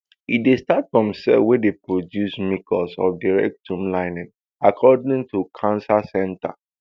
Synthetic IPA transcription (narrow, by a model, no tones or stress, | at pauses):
idestatfɹɔ̃msɛwɛdepʰɹodjusmikɔlsɔ̰fdiɹɛ̰k̚tʰũmlãɪnɪ̃ŋ | akʰɔdĩŋtʰukʰãnsasɛ̃nta̰